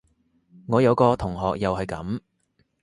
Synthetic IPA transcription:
ŋɔː˨˧jɐ˨˧wkɔː˧t̪ʰʊ˨˩ŋɦɔː˨k̚jɐ˨whɐ˨jkɐ̰˨˥m

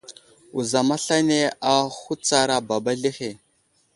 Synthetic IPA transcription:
u˨za˨ma˦ɬa˦ne˦a˨xu˦t͡sa˦ɾa˨ba˨ba˦ɮi˦xe˨

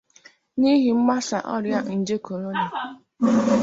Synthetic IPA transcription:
ni˦ɦi˨m̩˦ma˦sa˨ʔɔ̰˦ɾja˦n̩˨d͡ʒe˦ko˨ɾo˦na˨

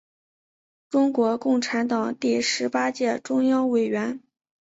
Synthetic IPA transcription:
ʈ͡ʂʊ˥ŋkwɔ˧˥kʊ˥˩ŋʈ͡ʂʰa˧˥nt̪ɑ˨˩ŋt̪i˥˩ʂɻ̩˧˥pa˥t͡ɕjɛ˥˩ʈ͡ʂʊ˥ŋjɑ˥ŋwe˨˩ɪɥɛ˧˥n

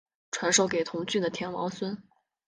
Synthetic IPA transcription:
ʈ͡ʂʰwa˧˥nʂo˥˩ʊke˨˩ɪt̪ʰʊ˧˥ŋt͡ɕy˥˩d̪ə˩t̪ʰjɛ˧˥nwɑ̰˧˥ʊswə˥n

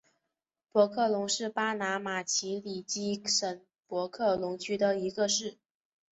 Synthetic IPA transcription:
pwɔ˧˥kʰɤ˥˩lʊ˧˥ŋʂɻ̩˥˩pa˥na˧˥ma˨˩t͡ɕʰi˧˥li˨˩t͡ɕi˥ʂə˨˩ŋ | pwɔ˧˥kʰɤ˥˩lʊ˧˥ŋt͡ɕʰy˥d̪ə˧i˧˥ɡə˧ʂɻ̩˥˩

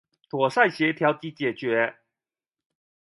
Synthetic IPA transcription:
t̪ʰwɔ˨˩sa˥˨ɪɕjɛ˨˧˥t̪ʰjɑ˧˥ʊwt̪i˧˥t͡ɕjɛ˨˩t͡ɕɥɛ˨˦

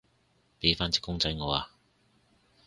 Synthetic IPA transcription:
pe˨˧˥faː˥nt͡si̥ː˥kːʊ˥ŋt͡sɐ˧˥jŋɔː˨˧aː˧

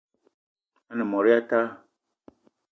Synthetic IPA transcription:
a˦nɪ̃˨mɔ̃˨ɾɪ˦a˦ta˦

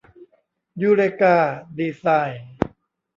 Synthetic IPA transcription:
juː˧ɾe˧kaː˧˩diː˧saː˧˩jn

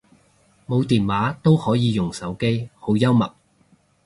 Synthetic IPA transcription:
mo˨˧wt̪iː˨nwaː˨˧˥t̪o˥whɔː˨˥jiː˨˧jʊ˨˩ŋsɐ˨˥wke˥jho˨˥wjɐ˥wmɐ̰˨k̚

